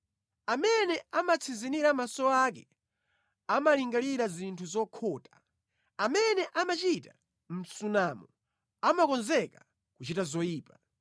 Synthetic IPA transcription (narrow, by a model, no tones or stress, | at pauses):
amɛnɛamat͡sʰinziniɾamasɔak̬ɛ | amaliŋɡaliɾazintʰuzɔkʰɔːtḁ | amɛnɛʔamat͡ʃita | m̩sunamɔ | amakɔnzɛka | kut͡ʃitazɔjiːpa